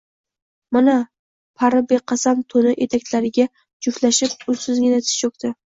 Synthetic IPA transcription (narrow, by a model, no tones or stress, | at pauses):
mana | pʰaɾabeqʰɑsamt̪ʰonɪʔet̪ʰak̪̚ʲlaɾɪɡʲa | d͡ʒʊflaʃɪp̚ʊsɪzɡʲɪnat̪ʰɪ̥t͡ʃok̚t̪ʰɪ